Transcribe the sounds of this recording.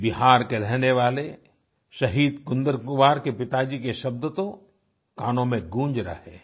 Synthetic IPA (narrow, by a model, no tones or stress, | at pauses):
bɪɦaːɾkeɾɛɦneʋaːle | ʃɐɦiːd̪kʊ̃nd̪əɾkʊʋaːɾkepɪt̪ad͡ʒikeʃɐb̚d̪ət̪õ | kaːnõmẽɡũːɲd͡ʒɾɐ̰ɦḛː